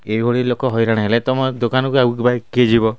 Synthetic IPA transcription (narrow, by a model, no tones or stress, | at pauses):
ebʱoɽilokɔɦɔjɾaɽ̃ɦelet̪ɔmɔd̪okanɔkuaukibaked͡ʒibɔ